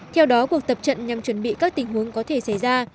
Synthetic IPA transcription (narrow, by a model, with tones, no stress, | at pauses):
t̪ʰɛ˧wɗɔ˨˦ku˨˩ək̚t̪ə˨˩p̚t͡ɕə̰˧˨nɲa˨˩mt͡ɕwə˧˩nɓḭ˧˨kaː˦˥k̚t̪ï˨˩ŋ̟ɦu˨˦əŋkɔ˨˦t̪ʰe˧˩sa˧˩jzaː˧